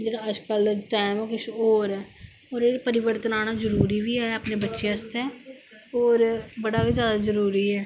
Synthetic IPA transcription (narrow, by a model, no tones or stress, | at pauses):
d͡ʒeːɽaːəd͡ʒkəlʈɛːɪmːkʊʃoːɾɛː | oːɾeːpəɾɪʋəɾt̪ənaːnaːzəɾuːɾiːʋiːɛːəpneːbətːʃẽːəst̪ɛː | oːɾbəɽaːbiːzjaːd̪aːzəɾuːɾiːɛː